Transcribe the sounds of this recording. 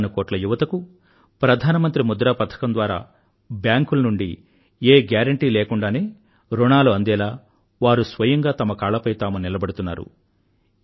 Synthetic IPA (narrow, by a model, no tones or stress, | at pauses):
nukoːʈlɐjuʋɐt̪ɐku | pɾɐd̪ʱaːnɐmɐnt̪ɾimud̪ɾaːpɐt̪ʰːɐ̥kɐnd̪ʋaːɾa̰ː | bjaːŋkulɐnuɳɖi | eːɡjaːɾɐɳʈiːleːkuɳɖaːneː | ɾoɳaːluɐnd̪ɛːlaː | ʋaːɾusʋɐjɐŋɡaːt̪ɐmɐkaːɭlɐpɐjt̪aːmunilɐbɐɽut̪unːa̰ːɾṵ